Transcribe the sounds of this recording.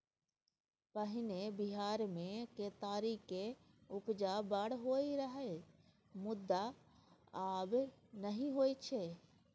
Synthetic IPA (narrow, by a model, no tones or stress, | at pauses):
pəɦɪnebɪɦaːɾmẽket̪aːɾike | ʊpd͡ʒabəɽɦoːiɾəɦe | mʊd̪ːa | aːbnəɦĩɦoːit͡ʃʰeː